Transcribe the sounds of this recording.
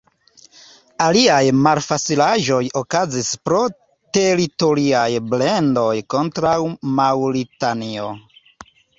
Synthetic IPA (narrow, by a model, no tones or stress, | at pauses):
aliajmalfat͡silaʒo̞jokazispɾo̞ | te̞ɾito̞ɾiajblendo̞jko̞ntɾawmawɾitanio̞